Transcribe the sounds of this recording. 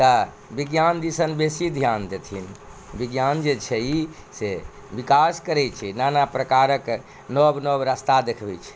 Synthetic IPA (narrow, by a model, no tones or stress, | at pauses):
t̪ə | biɡjand̪isənbesid̪ʱjand̪et̪ʰinbiɡjand͡ʒet͡ʃʰɛi | se | bikaskəɾɛt͡ʃʰɛnanapɾəkaɾək | nɔbnɔbɾəst̪ad̪ekʰbɛt͡ʃʰɛ̥